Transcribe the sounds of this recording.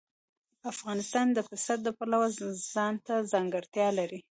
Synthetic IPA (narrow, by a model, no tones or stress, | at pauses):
afɣɑnɪst̪ɑnd̪əfɪsat̪̚d̪əpalawaz̥ɑnt̪azɑŋɡaɽt̪jɑlaɾi